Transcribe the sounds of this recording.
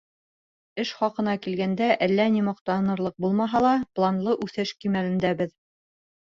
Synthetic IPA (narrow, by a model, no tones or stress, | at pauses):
ɘʃχɑqɤ̆nɑkilɡænd̪æʔælːænimɑq̚t̪ɑnɤ̆ɾlˠɤq̚bulˠmɑɦɑlˠɑplˠɑnlˠɤʔʉθɘʃkimælɘ̆nd̪æbɘð